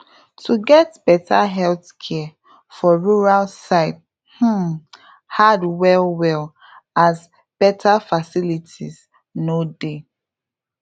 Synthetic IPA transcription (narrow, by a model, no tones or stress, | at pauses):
tʰuɡɛtb̥ɛtʰaɦɛlθkʰɛ | fɔɹuɹalsaɪt̚ | h̩ | hadwɛlwɛl | az | b̥ɛtʰafasilitʰḭz | node